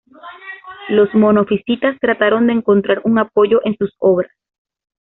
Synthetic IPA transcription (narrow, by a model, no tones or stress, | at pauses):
lo̞smo̞nofisit̪ast̪ɾat̪aɾo̞nd̪e̞ːŋko̞nt̪ɾaɾuŋapo̞ʝo̞ʔe̞nsuso̞βɾas